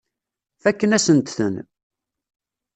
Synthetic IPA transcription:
θækːənæsənt̪θə̰n

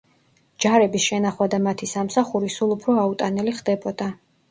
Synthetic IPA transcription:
d͡ʒaɾɛbisʃɛnaχwad̪amat̪ʰisamsaχuɾisulˠupʰɾɔaut̪ʼanɛliχd̪ɛbɔd̪̥a

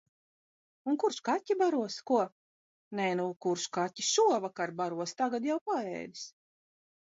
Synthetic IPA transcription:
unkuɾʃkat̪ʲːibaɾuɔskuɔ | nɛnukuɾʃkatʲːiʃuɔvakaɾbaɾuɔst̪aɡad̪jawpaɛ̰ːd̪i̥s

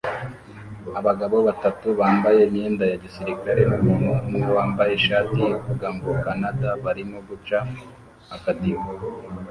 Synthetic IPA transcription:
aβaɡaβo̞βatatuβaːmbaje̞imɲeːndajaɟisiɾikaɾemumunumuɡoβaːmbaje̞ʃaːtiokuɡaːmɡokanadaβaɾimoɡut͡ʃa | hakatio

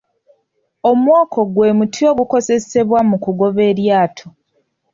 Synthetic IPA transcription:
o̞mwoːkʰo̞ɡwe̞ːmutʰio̞ːɡuko̞ze̞se̞βwamukuɡo̞βe̞ːɾjaːtʰo

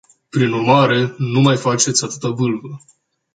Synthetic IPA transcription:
pɾinurmaɾe̞numajfat͡ʃe̞t̪sʲat̪ɨt̪abɨlvə

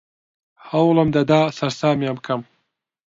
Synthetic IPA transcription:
hɐwlɨmd̪ɐd̪aːsɐɾsaːmjamkʰɐm

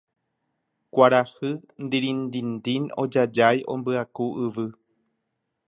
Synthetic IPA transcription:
kʷaɾahɨnd̪iɾĩnd̪ind̪ino̰d͡ʒad͡ʒajʔõ̞̰mbɨakuʔɨʋɨ

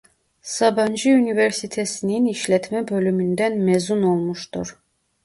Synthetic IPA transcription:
sabɑnd͡ʒiynivɛɾsit̪ʰɛsininiʃlɛt̪ʰmɛbølymynd̪ænmɛzunolˠmuʃt̪uɾ

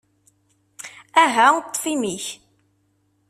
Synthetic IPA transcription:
æɦæʊt̪ˤːfimiç

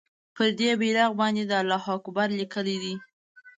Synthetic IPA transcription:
pəɾd̪ebelɑɣbɑnd̪ed̪əalːɑhɑkʊbaɾlikəlid̪i

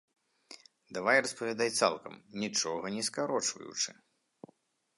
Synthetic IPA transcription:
d̪avajrɐspɐvʲad̪ajt̪sa̰lˠkɐ̰mnʲit͡ʂɔɣɐnʲɛskaɾɔt͡ʂvɐ̰jṵt͡ʂɨ̰

